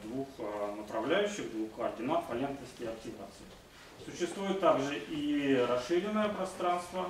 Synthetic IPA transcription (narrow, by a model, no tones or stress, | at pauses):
d̪vuxnəpɾɐvlʲæjʉɕːɪɣd̪vuxkəɐrdʲɪmat̪pɐlʲent̪nəfsʲkʲɪjɐktʲɪva̰t̪sɨjɪ | sʊɕːɪst̪vujɪt̪ːaɡʐɨʔiɾɐsʂɨɾʲɪnːəjəpɾɐst̪ɾanst̪və